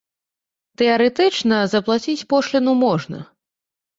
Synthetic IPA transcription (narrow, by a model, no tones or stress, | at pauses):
t̪ɛɐɾɛt̪ɛt͡ʂnɐzɐplˠat͡sʲit͡sʲpɔʂlʲɛnumɔʐnɐ̰